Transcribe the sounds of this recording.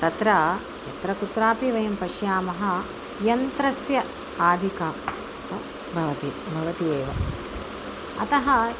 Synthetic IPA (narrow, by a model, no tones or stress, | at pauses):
t̪ɐt̪ɾɐ | jɐt̪ɾɐkut̪ɾaːpiʋɐjɐmpɐʃjaːmɐɦɐ̆ | jɐnt̪ɾɐsjɐ | aːd̪ʱikaː | ɐ | bʱɐʋɐt̪ibʱɐʋɐt̪ijeːʋɐ | ɐ̰t̪ɐɦɐ